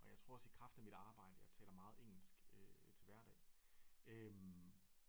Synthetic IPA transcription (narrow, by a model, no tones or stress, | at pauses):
ʔɒ̽jɑ̈ɪt͡sʰʁo̝ɐ̰ɒsə̥i̥kʰʁɑ̈fd̥æmid̥ɑ̈ːb̥ɑ̈ɪ̰d̥əjɑ̈ɪt͡sʰɛːlɐmɑ̈ːð̞̩ˠeŋ̰l̩sɡ̥øt͡sʰe̝lʋæɐɾɛ̰ː | ʔøm